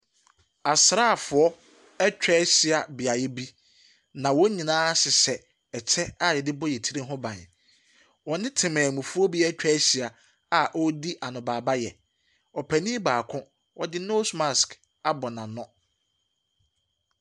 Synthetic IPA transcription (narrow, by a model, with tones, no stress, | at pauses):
a˨sɾa˦˨fʊ˨ɔ˦ | ɛ˦t͡ɕᶣɛ˦ɕi˨a˨bi˨a˨jɛ˦bi˦ | nã˨wɔ˦ɲĩ˨nãː˦sɪ˨sɛ˨ | ɛ˨t͡ɕʰɛ˦a˦˨jɛ˨dɪ˦bɔ˦jɛ˨tʰi˦ɾi˦ɦʊ̃˦bã˨ɲ˨ | wɔ˨nɪ̃˦tʰɪ̃˨mɛ̃ː˨mũ˨fu˦ɔ˦bi˦ɛ˦t͡ɕᶣɛ˦ɕi˨a˨ | a˨ʔɔ˦di˦ʔa˨nʊ̃˨baː˨ba˦jɛ˨ | ɔ˨pʰæ˨nĩ˦baː˨kʰʊ̃˦ | wɔ˦dɪ˦no˦sma˨sk | a˨bɔ˨nã˨nɔ̃˦